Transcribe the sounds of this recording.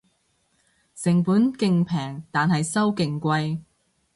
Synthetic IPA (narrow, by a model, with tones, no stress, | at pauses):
sɪ˨˩ŋpuː˨˥nkɪ˧ŋpʰɛː˨˩ŋt̪aː˨nhɐ˨jsɐ˥wkɪ˨ŋkʷɐ˧j